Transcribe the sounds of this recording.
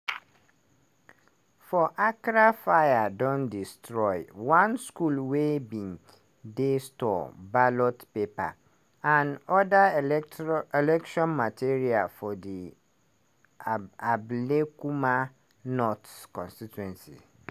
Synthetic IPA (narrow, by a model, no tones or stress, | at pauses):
fɔʔakɾafajadɔ̃ndistʰɹɔɪwãnskulwebĩn | destɔ̰balɔtpepʰa̰ | ãnɔda | ɛlɛkʃɔ̃nmatʰeɾiafɔdi | ablekumã | nɔtkʰɔ̃nstitʰuɛ̃nsḭ